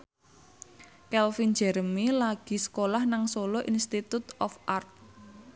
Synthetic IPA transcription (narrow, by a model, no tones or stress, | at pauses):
kɛlfind͡ʒɛ̤ɾəmilaɡ̥i̤sə̥kolahnaŋsoloʔinst̪it̪ut̪ɔfʔart̪̚